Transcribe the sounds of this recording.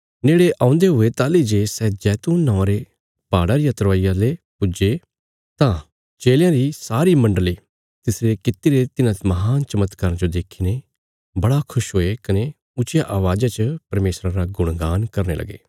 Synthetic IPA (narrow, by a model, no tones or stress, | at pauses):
neːɽeʔãːʊ̃nd̪eɦʊet̪aːlid͡ʒesɛːd͡ʒɛːt̪uːnːɔ̃ːãɾe | paːɽaɾijãt̪əɾʋaːijãlepʊd͡ʒe | t̪ã | t͡ʃeːljãɾisaːɾimɐ̃ɳɖəli | t̪ɪsɾekɪt̪ːiɾet̪ɪnãmɐɦaːnt͡ʃɐmət̪kaɾə̃d͡ʒod̪eːkʰiːne | bɐɽakʰʊʃɦoːekɐne | ʊt͡ʃjaʔaːʋaːd͡ʒat͡ʃəpɐɾmeːsɾãɾaɡʊɽ̃ɡaːnkɐɾnḛlʔɐ̰ɡḛː